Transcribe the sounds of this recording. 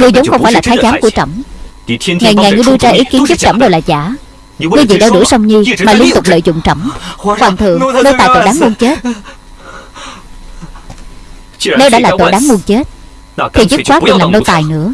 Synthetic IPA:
ŋɨ˧əjzə˨˦wxə˧ŋ͡mfaː˧˩jlaː˨˩aː˨˦jzaː˨˦mku˧˩ət͡ɕə̰˧˩ŋ͡m | ŋa˨˩jŋa˨˩jŋɨ˧əjɗɨ˧əzaː˧ʔi˨˦ki˨˦ənzʊ˦˥p̚t͡ɕə˧˩mɗo˧˩wlaː˨˩za̰ː˧˩˦ | ɨ˧jzḭ˧˨ɗaː˧ɗɨ̰˧˩əsə˧wŋ͡mɲi˧maː˨˩li˧ənt̪ʊ˨˩k͡p̚lə̰ː˧˨jzʊ̰˧˨ŋ͡mt͡ɕə̰˧˩ŋ͡mkwaː˨˩nt̪ʰɨ̰˨˩əŋno˧wt̪aː˨˩jt̪o̰˧˨˩ɗaː˨˦ŋmu˧ənt͡ɕe˦˥t̚ | nə˧wɗa̰ː˧˥laː˨˩t̪o̰˧˨ɗaː˨˦ŋmu˧ənt͡ɕe˦˥t̚ | t̪ʰi˨˩zɨ˦˥t̚kwaː˦˥kwi˨˧˩nlaː˨˩mno˧t̪aː˨˩jnɨ̰˧˥ə

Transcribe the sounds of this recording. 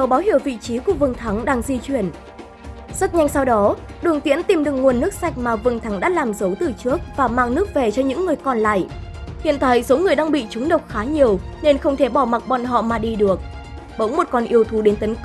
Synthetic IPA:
ə˨˩wɓaː˨˦wɦi˧˩əwvḭ˧˨t͡ɕi˨˦ku˧˨˩əvɨ˨˩ŋt̪ʰa˨˦ŋɗaː˧ŋzi˧t͡ɕwi˧˩ən | zə˦˥t̚ɲa˧jŋ̟sa˧wɗɔ˨˦ɗɨ˨˩əŋt̪ḭ˧˥ənt̪i˨˩mɗɨ˨˩əŋu˨˩ənːɨ˦˥k̚sa˨˩jk̟̚maː˨˩vɨ˨˩ŋt̪ʰa˨˦ŋɗa̰ː˧˥laː˨˩mzə˨˦wt̪ɨ˨˩t͡ɕɨ˦˥ək̚vaː˨˩maː˧˩ŋnɨ˦˥ək̚ve˨˩t͡ɕɔ˧ɲɨ̰˧˥ŋːɨ˨˩əjkɔ˨˩nla̰ː˧˨jhḭ˧˨ənt̪a̰ː˧˨jso˨˦ŋɨ˨˩əjɗaː˧ŋɓḭ˧˨t͡ɕʊ˨˦ŋ͡mɗə˨˩wk͡p̚xaː˨˦ɲi˨˩əwne˧nxə˧wŋ͡mt̪ʰe˧˩ɓɔ˧˩ma˨˩t̚ɓɔ̰˧˨nɦɔ̰˧˨maː˨˩ɗi˧ɗɨ˨˩ək̚ | ɓə̰˧˥wŋ͡mmo˨˩t̚kɔ˨˩nʔi˧əwt̪ʰu˨˦ɗe˨˦nt̪ə˨˦n

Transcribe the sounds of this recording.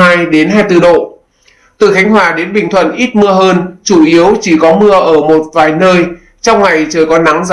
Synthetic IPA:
aː˧jɗe˨˦nɦaː˧jt̪ɨ˧˩ɗo̰˧˨ | t̪ɨ̰˧˨˩xa˨˦jŋ̟ɦwaː˧˩ɗe˨˦nɓï˨˩ŋ̟t̪ʰwə̰˧˨nʔi˦˥t̚mɨ˧əɦəː˧nt͡ɕu˧˩ʔi˨˦əwt͡ɕi˧˩kɔ˨˦mɨ˧əʔəː˧˩mo˨˩t̚vaː˨˩jnəː˧j | t͡ɕɔ˧wŋ͡mŋa˨˩jt͡ɕəː˨˩jkɔ˨˦na˨˦ŋza

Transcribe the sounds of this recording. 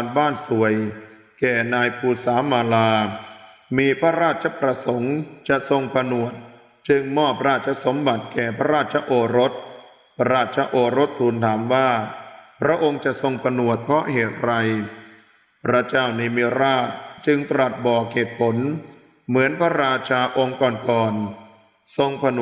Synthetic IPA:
nbaː˥˩nsu˨˩əj | kɛː˨˩naː˧jpʰuː˧saː˩˦maː˧laː˧ | miː˧pʰa˦˥ɾaː˥˩t̪̚t͡ɕʰa˧˦pɾa˧so˩˦ŋt͡ɕa˨˩ʔso˧ŋpa˧nu˨˩ət̪̚ | t͡ɕɯ˧ŋmɔː˥˩p̚ɾaː˥˩t̪̚t͡ɕʰa˧˥so˩˦mba˨˩t̪̚kɛː˨˩pʰa˦˥ɾaː˥˩t̪̚t͡ɕʰa˦ʔoː˧˩ɾo˦˥t̪̚ | pʰa˧ɾaː˥˩t̪̚t͡ɕʰa˦˧˥ʔoː˧ɾo˦˥t̪ʰːuː˧nt̪ʰaː˩˦mwaː˥˩pʰɾa˦˥ʔo˧ŋt͡ɕa˨˩ʔso˧ŋpʰa˧nu˨˩ət̪̚pʰɔ˦˥heː˨˩t̪̚ɾa˧j | pʰɾa˦˥t͡ɕaː˥˩wni˧miː˧ɾaː˥˩t̪̚t͡ɕɯ˧ŋt̪ɾa˨˩t̪̚bɔː˨˩k̚ʰːeː˨˩t̪̚pʰo˩˦n | mɯ˩˦ənpʰa˦˥ɾaː˧t͡ɕʰaː˧ʔo˧ŋkɔː˨˩nkɔː˨˩n | so˧ŋpʰa˧n˨

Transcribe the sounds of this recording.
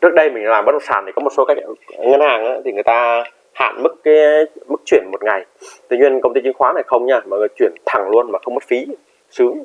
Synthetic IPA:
t͡ɕɨ˦˥ək̚ɗə˧jmï˨˩ŋ̟˨laː˨˩mɓə˦˥t̚mə˨˩sa̰ː˧˩t̪ʰi˨˩kɔ˨˦mo˨˩t̚so˨˦ka˦˥k̚ŋə˧nhaː˨˩ŋʔaː˨˦t̪ʰi˨˩ŋɨ˨˩əjt̪aː˧ | ha̰ː˧˨nmɨ˦˥k̚ːaː˨˦jmɨ˦˥k̚t͡ɕwi˧˩ənmo˨˩t̚ŋa˨˩jt̪wi˧˩˦ɲwi˧ənkə˧wŋ͡mt̪i˧t͡ɕï˨˦ŋxwaː˨˦na˨˩jxə˧wŋ͡mɲaː˧maː˨˩ŋɨ˨˩t͡ɕwi˧˩ənt̪ʰa˨˩ŋlu˧ənmaː˨˩xə˧wŋ͡mmə˦˥t̚fi˨˦ | sɨ˨˦ŋ

